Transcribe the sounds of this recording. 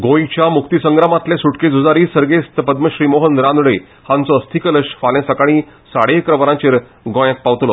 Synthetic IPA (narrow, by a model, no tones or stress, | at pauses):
ɡojt͡ɕjamukt̪isəŋɡɾamãt̪lesuʈked͡zud͡zaɾiːsəɾɡest̪əpəd̪məɕɾiːmoɦənɾand̪ɽe | hãnt͡sɔːst̪ʰikələʂfalj̃ẽsəkaɽ̃iː | saɽekɾəʋəɾãt͡ɕeɾ | ɡõjə̃k̚paʋt̪lo